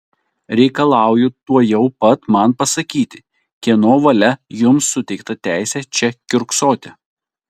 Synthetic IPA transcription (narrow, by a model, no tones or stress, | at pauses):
ɾʲɛɪkɐlˠɑˑʊjʊt̪uɔjɛʊpɐt̪mɐnpɐsɐkʲiːt̪ʲɪ | kʲiɛnoːʋɐlʲɛjʊmsːʊt̪ʲɛɪkt̪ɐt̪ʲæˑɪsʲɛt͡ʃʲɛkʲʊɾksoːt̪ʲe